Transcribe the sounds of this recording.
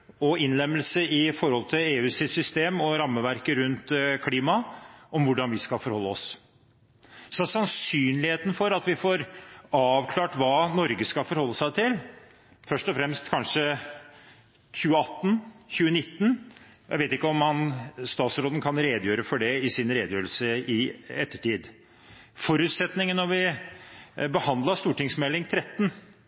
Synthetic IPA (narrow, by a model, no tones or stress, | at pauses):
ɔɪnlɛmːəlsəɪfɔɾhɔlt̪ʰɪleːʉːsɪt̪sʏst̪eːmɔɾɑmːəʋæɾkəɾʉnt̪kʰliːmɑɔmʋʊɖɑnʋɪskɑlfɔɾhɔlːəɔs | sɔsɑnsyːnlɪheːt̪ən̩fɔɾɑt̪ʋɪfoːɾɑːʋkʰlɑːʈʋɑːnɔɾɡəskɑlfɔɾhɔlːəsæɪt̪ʰɪl | fœʂʈɔfɾɛmst̪kʰɑnʂə | çʉːəɑt̪ːnçʉːənɪt̪ːənjæ̰ɪʋeɪt̪ɪkːəɔmhɑnst̪ɑːt̪sɾoːd̪nkʰɑnɾeːd̪jøːɾəfɔɖɛɪsɪnɾeːd̪jøːɾəlsəɪɛt̪ːəʈiːd̪ | fɔɾʉt̪sɛt̪nɪŋənːɔɾʋɪ | bəhɑnd̪lɑst̪uːʈɪŋsmɛlːɪŋt̪ʰɾɛt̪ːn